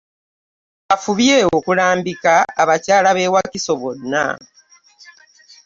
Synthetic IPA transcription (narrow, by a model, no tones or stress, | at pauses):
afuβjeːo̞kulaːmbikaːβacaːlaβe̞ːwakiso̞βo̞nːa̰